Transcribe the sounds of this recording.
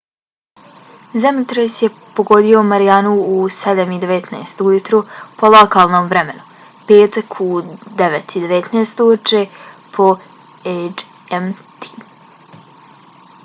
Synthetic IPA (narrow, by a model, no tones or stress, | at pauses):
zamit̪ɾosjepoɡo̞d̪io̞maɾijanuused̪amid̪eʋet̪na̰jst̪ujut̪ɾupo̞lˠokaːlˠnoːmʋɾemenu | peːt̪akʰud̪eʋet̪ʰid̪e̞ʋet̪naːst̪ut͡ʃepʰo̞ | ed͡ʒ | emt̪ʰi̥